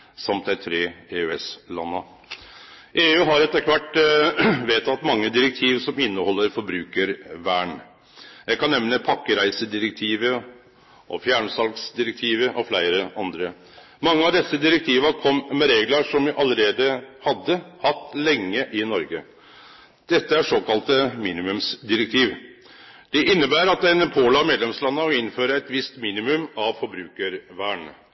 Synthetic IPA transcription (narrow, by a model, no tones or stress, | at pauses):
sɑmt̪̚æɪt̪ʰɾeːeːʉɛslɑnːə | ʔeːʉːɦɑɾɛt̪ːəkʰʋæʈː | ʋeːt̪ʰɑt̪ːmɑŋːəd̪ɪɾək̚t̪ʰiːʋsɔmɪnːəhɔlːəɾfɔɾbɾʉːkəɾʋæːɳ | jæɪkɑnːɛmnəpʰɑkːəɾæɪsəd̪ɪɾək̚t̪ʰiːʋə | ʔɔfjæːɳsɑlksd̪ɪɾək̚t̪ʰiːʋəʔɔflæɪɾəʔɑnd̪ɾə | mɑŋːəɑʋd̪ɛsːəd̪ɪɾək̚t̪ʰiːʋəkʰɔmːmɛɾeːɡləʂɔmʋɪʔɑlːəɾeːd̪əhɑd̪ːəhɑt̪ːlɛŋːəʔɪnɔɾɡə | d̪̥ɛt̪ːəæʂoːkɑlt̪əmiːnɪmʉmsd̪ɪɾək̚t̪ʰiːʋ | d̪̥ɛʔɪnːəbæːɾɑt̪ːɛɪnpʰoːlɑmeːd̪lɛmslɑnːəɔɪnføːɾəæt̪ʋɪst̪miːnɪmʉmɑʋfɔɾbɾʉːkəɾʋæːɳ